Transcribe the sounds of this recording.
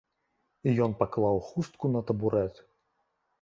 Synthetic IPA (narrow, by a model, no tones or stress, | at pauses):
ijɔnpaklˠawxust̪̚kunɐt̪ɐbuɾɛt̪